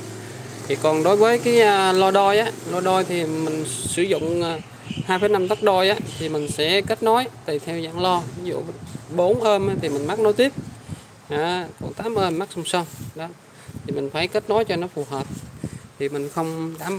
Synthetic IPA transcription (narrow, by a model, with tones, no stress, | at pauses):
t̪ʰi˨˩kɔ˨˩nɗo˨˦jvəː˨˦jkaː˨˦jʔəː˨˩lɔ˧ɗɔ˧jʔaː˨˦lɔ˧ɗɔ˧jt̪ʰi˨˩mï˨˩ŋ̟sɨ˧˩zʊ̰˧˨ŋ͡mː | haː˧jfəː˨˦jna˧mt̪a˦˥t̚ɗɔ˧jʔaː˨˦t̪ʰi˨˩mï˨˩ŋ̟sɛ̰˧˥ke˦˥t̚nɔ˨˦jt̪i˨˩t̪ʰɛ˧wza̰ː˧˨ŋlɔ˧vi˨˦zṵ˧˨ɓo˨˦nʔəː˧mʔaː˨˦t̪ʰi˨˩mï˨˩ŋma˦˥k̚no˨˦jt̪i˦˥əp̚ | ʔaː˨˦kɔ̰˧˨˩t̪aː˨˦mʔəː˧mːa˦˥k̚sə˧wŋ͡msə˧wŋ͡mɗɔ˨˦ | t̪ʰi˨˩mi˨˩ŋ̟faː˧˩jkə˦˥t̚nɔ˨˦jt͡ɕɔ˧nɔ˨˦fu˧˩ɦəː˨˩p̚t̪ʰi˨˩mï˨˩ŋ̟xə˧wŋ͡mɗaː˨˧˦m